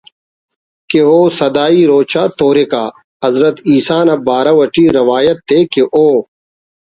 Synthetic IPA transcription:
keɦoːsɐd̪aːiːɾoːt͡ʃaːt̪oːɾeka̰ː | ɐzɾɐt̪iːsaːnɐbaːɾawɐʈiːɾɐʋaːjɐt̪ːeːkeʔoː

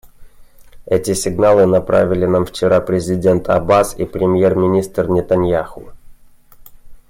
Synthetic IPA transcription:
ɛtʲɪsʲɪɡnalˠɨnɐpɾa̰vʲɪlʲɪnamft͡ɕɪɾapɾʲɪzʲɪdʲe̞nt̪ʰɐ̰basḭpɾʲɪmʲje̞rmʲɪnʲist̪rnʲɪt̪ɐnʲjaxʊ

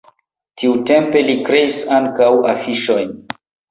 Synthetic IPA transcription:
tiute̞mpe̞likɾe̞isaŋkawa̰fiʃo̞jn

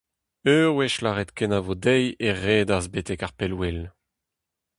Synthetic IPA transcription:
øːwɛʃlaʁɛt̪kɛnavodɛjeʁeːdazbet̪ɛkaʁpelwel

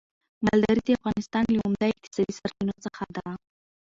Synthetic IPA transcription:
mald̪aɾid̪eafɣɑnɪst̪ɑnləʊmd̪aɪq̚t̪ɪ̥sɑd̪isaɾfinot͡səxad̪a

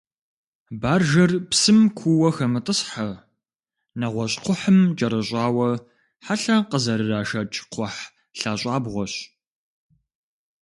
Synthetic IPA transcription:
baːrʒɐrpsɨmkʷʰuwɐxɐmɨtʼəɕħɐ | nɐʁʷɔɕʼqʷʊħəmd͡ʒʼɐɾɐɕʼɑːwɐ | ħaɬɐqəzɐɾɨraːʃɐt͡ʃʼqʷʰɔħ | ɬaːɕʼɑːbʁʷɔɕ

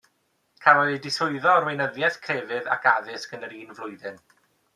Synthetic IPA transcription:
kʰalɔidɪsʊɨðɔrwejnəðjɛθkʰrevɨða̰kaðɨskənəɾiːnvlˠʊɨðɨn

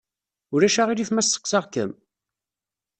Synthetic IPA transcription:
ʊɾæʃaʁiɾifmæsːə̥qːsɑʁkə̰m

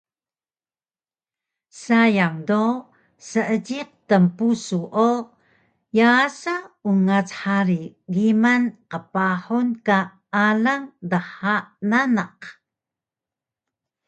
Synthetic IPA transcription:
sajaŋdo | səʔəɟiq̚təmpusuʔo | jasauŋat͡sħaɾiɡimanqəpaħunka | ʔalaŋdəħaʔnanaq

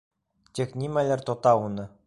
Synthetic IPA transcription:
t̪ʲeknʲimʲælʲɘ̆rt̪ot̪ɑunɤ̆

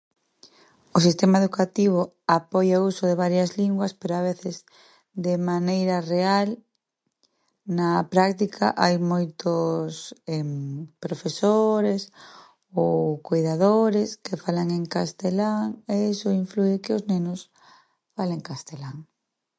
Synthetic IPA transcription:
ʊs̬ist̪emaeðukat̪iβ̞o | apojaousʊðeβ̞aɾjɐzliŋɡwɐspeɾoaβ̞eθɪz | d̪ɪmanejɾɐreal | nɐpɾakt̪ikʰa̰ʔajmojt̪ʊsɛmpɾofesoɾes | owkojðaðoɾeskefalaŋeŋkast̪elaŋeesʊiɱfluekɪʊznenʊs | faleŋkast̪elaŋ

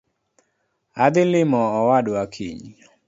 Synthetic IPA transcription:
ad̪ɪlɪmɔːwadwakʰḭɲ

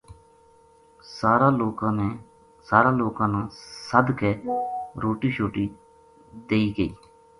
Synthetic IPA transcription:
saːɾaːloːkãːneː | saːɾãːloːkãːnãːsəd̪keːɾoːʈiːʃoːʈiː | d̪eːiːɡəḭː

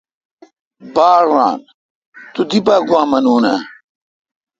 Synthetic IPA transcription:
baːɾːa̰ːn | t̪ud̪ibaːɡwaːmɐnuːnɐ

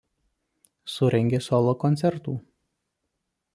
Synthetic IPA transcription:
sʊɾʲɛŋʲɡʲesɔlˠoːkɔnʲt̪sʲɛɾt̪uː

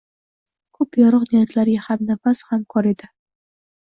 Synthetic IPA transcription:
kʰɵpjɒɾɨqnejaɾt̪laɾɡʲahamnafashamkʰɒɾed̪ɪ

